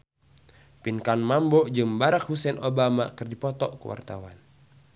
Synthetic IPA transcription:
pinkanmambɔd͡ʒɨmbaɾak̚husɛnʔobamakɨrdipɔt̪ɔʔkuwa̰rt̪a̰wan

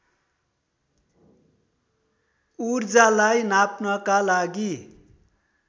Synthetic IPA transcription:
urd͡zalajnapnʌkalaɡi

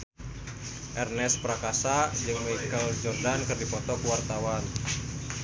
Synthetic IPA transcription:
ʔɛrnɛspɾakasad͡ʒɨŋmakəld͡ʒɔrdankɨrdipɔt̪ɔkuwart̪awan

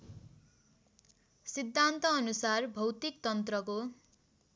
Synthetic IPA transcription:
sid̪ʱːant̪ʌːnusarbʱʌwt̪ik̚t̪ʌnt̪rʌko

